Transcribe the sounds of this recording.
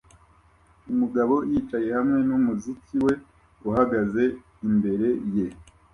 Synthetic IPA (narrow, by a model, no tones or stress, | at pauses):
umuɡaβo̞jiːt͡ʃaje̞hamŋe̞numuzikiwe̞ | uɦaɡaze | imbe̞ɾe̞je̞